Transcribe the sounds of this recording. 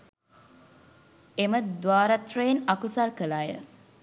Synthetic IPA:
eməd̪ʋaːɾat̪rəjenakusalkəlaːjə̰

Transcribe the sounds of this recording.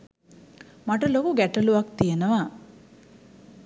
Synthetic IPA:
maʈɐlokuɡɛʈɐluʋak̚t̪ijenəʋa

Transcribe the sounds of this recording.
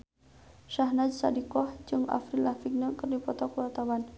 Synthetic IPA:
ʃahnad͡ʒsa̰dikɔhd͡ʒɨŋa̰fɾilafik̚nəkərdipɔt̪ɔkuwart̪awan

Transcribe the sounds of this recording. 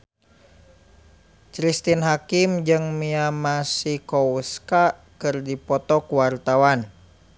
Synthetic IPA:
t͡ʃɾist̪inɦakimd͡ʒɨŋmiamasikɔuska | kɨrdipɔt̪ɔkuwart̪awan

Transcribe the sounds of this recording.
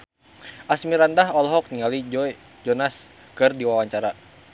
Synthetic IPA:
ʔasmiɾandaɦɔlɦɔk̚niŋalid͡ʒɔj | d͡ʒɔnas | kɨrdiwawaɲt͡ʃaɾa

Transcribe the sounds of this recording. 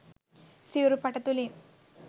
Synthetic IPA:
siuɾupɐʈɐt̪uli

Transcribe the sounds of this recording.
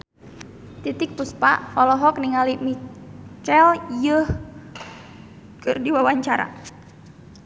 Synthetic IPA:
t̪it̪ɪk̚puspa̰ʔfɔlɔɦɔk̚niŋalimit͡ʃɛljəh | kərdiwawaɲt͡ʃaɾa̰

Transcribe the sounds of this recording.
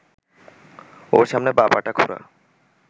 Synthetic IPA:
oɾʃamnebabaʈakʰoɾa̰

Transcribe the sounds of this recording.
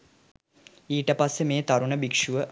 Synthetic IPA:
iːʈəpasːemeːt̪ɐɾuɳəbikʂuʋə

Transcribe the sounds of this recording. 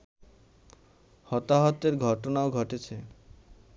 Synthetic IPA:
hɔt̪aɦɔt̪eɾɡʱɔʈonaoɡʱɔʈet͡ʃʰe

